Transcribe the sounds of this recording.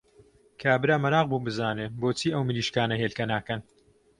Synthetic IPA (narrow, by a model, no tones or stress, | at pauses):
kʰaːbɨɾaːmɐɾaːq̚buːbɨzaːneːboːt͡sʰiːʔɐwmɨliːʃkaːnɐɦeːlkɐnaːkɐn